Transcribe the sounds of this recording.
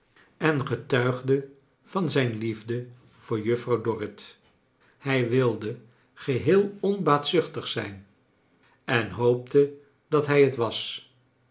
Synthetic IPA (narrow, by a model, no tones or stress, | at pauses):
ɛnχətœɥχdə | v̥ɑnzɛjnlivdə | v̥ʊːɹjɵfrɑwdɔrɪt | hɛjʋɪlˠdə | χəɦɪːlˠɔnbaːtsʏχtəχsɛjn | ɛnɦowp̚tə | dɑtɦɛjətʋɑs